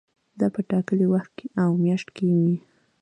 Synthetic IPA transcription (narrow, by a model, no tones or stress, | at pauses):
d̪ɑpəʈɑkəliwaxt̪̚keʔawmjɑʃʈkewi